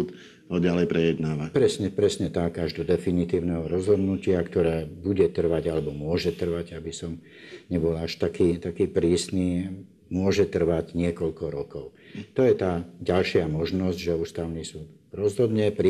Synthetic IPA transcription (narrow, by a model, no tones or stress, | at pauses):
t̪ | ɔɟalɛjpɾɛjɛd̪naːʋapɾɛsɲɛpɾɛsɲɛt̪akaʒd̪ɔd̪ɛfinit̪iːʊnɛɦɔɾɔzɦɔd̪nucɪakt̪ɔɾɛːbuɟɛt̪r̩ʋaɟalɛbɔmʊɔʒɛt̪r̩ʋaɟabisɔm | ɲɛbɔlaʃt̪akiːt̪akiːpɾiːsniː | mʊɔʒɛt̪r̩ʋaɟɲɪɛkɔʎkɔɾɔkɔʊt̪ɔjɛt̪aːɟalʃɪamɔʒnɔzɟʒɛuːst̪aʊnisuːt̪ | ɾɔzɦɔd̪ɲɛpɾ